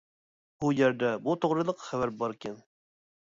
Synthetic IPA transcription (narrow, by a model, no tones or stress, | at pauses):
b̥ujɛɾd̪ɛbut̪ʰoʁɾɨlˠəqχævæɾbɑɾkʲʰɛn